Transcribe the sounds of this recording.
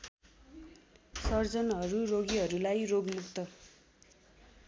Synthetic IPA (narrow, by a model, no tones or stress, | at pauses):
sʌrd͡zʌnɦʌɾuroɡiɦʌɾulajroɡmukt̪ʌ